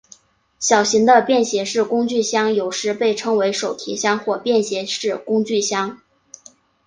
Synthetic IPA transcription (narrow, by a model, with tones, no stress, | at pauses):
ɕjɑ˨˩ʊɕi˧˥ŋd̪ə˧pjɛ˥˩nɕjɛ˧˥ʂɻ̩˥˩kʊ˥ŋt͡ɕy˥˩ɕjɑ˥ŋjo˨˩ʊʂɻ̩˧˥pe˥˩ɪʈ͡ʂʰɤ˥ŋwe˧˥ɪʂo˨˩ʊt̪ʰi˧˥ɕjɑ˥ŋxwɔ˥˧pjɛ˥˩nɕjɛ˧˥ʂɻ̩˥˩kʊ˥ŋt͡ɕy˥˩ɕjɑ˥ŋ